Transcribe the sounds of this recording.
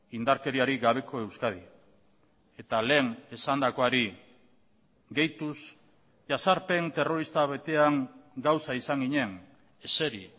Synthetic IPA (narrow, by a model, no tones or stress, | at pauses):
ind̪aɾke̞ɾiaɾiɣaβ̞e̞kʰo̞e̞wskað̞i | e̞t̪ale̞ːŋe̞sand̪ako̞aɾi | ɡe̞jt̪us | ʝasaɾpe̞nt̪e̞ro̞ɾist̪aβe̞t̪e̞aŋɡawsaisaŋɡiɲe̞ŋ | ese̞ɾi